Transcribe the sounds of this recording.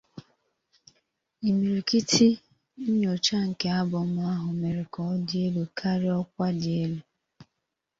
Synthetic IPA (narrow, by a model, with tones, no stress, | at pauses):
i˨mi˨ɾi˨ki˦tʰi˦ | n̩˦ɲo˨t͡ʃa˦ŋ̩˨ke˦a˦bʊ˨mʊ˦a˦ɦʊ˨me˨ɾe˨kɔ˨˦de˦lu˨kʰa˦ɾɪ˦ɔ˦kʷa˦dɪ˨e˦lu˨